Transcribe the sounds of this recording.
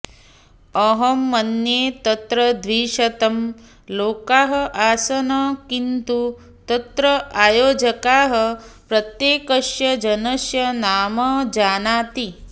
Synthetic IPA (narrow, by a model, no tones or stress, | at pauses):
ɐɦɐmːɐnjeːt̪ɐt̪ɾɐd̪ʋiːʂɐt̪ɐm | loːkaːɦɐʔaːsɐnɐkint̪u | t̪ɐt̪ɾɐaːjoːd͡ʒɐkaːɦɐpɾɐt̪jeːkɐʃjɐd͡ʒɐnɐʃjɐnaːmɐd͡ʒaːnaːt̪i